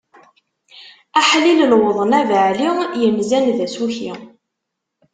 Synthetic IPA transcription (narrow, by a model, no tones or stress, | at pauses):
æħliləlwəðˤənævəʕlijəmzænðæsuçḭ